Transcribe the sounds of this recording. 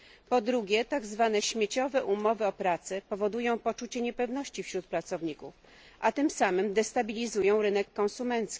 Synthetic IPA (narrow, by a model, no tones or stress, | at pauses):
pɔd̪ɾuɡʲjɛt̪aɡzvanɛɕmʲjet͡ɕɔvɛʔumɔvɘɔpɾat̪sɛpɔvɔd̪ujɔ̃w̃pɔt͡ʂut͡ɕɛɲɛpɛvn̪ɔɕt͡ɕifɕɾut̪̚pɾat̪sɔvɲikuf | ʔat̪ɘmsamɘmd̪ɛst̪abʲilʲizujɔ̃w̃ɾɘnɛkːɔ̃ñsumɛnt̪skʲi̥